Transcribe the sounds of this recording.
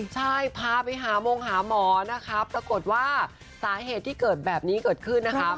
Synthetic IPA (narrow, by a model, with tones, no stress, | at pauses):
t͡ɕʰa˥˩jpʰaː˧pa˧jɦaː˩˦moː˧ŋɦaː˩˦mɔː˨˩˦na˦˥kʰa˦˥pɾa˧ko˨˩t̪̚waː˥˩ | saː˩˦ɦeː˨˩t̪ʰːiː˥˩kɤː˨˩t̪̚bɛː˨˩p̚niː˦˥kɤː˨˩t̪̚kʰɯ˥˩nːa˦˥kʰa˦˥